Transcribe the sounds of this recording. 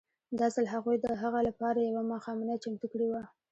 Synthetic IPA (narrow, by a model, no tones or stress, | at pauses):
d̪ɑzəlaɦaɣujd̪əɦaɣalapɑɾajawamɑxɑmɪnat͡ʃamt̪ukɽiwa